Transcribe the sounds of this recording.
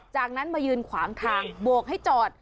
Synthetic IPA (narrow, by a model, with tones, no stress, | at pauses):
t͡ɕaː˨˩k̚na˦˥nmaː˧jɯː˧nkʰwaː˩˦ŋt̪ʰaː˧ŋbu˨˩ək̚ha˥˩jt͡ɕɔː˨˩t̪̚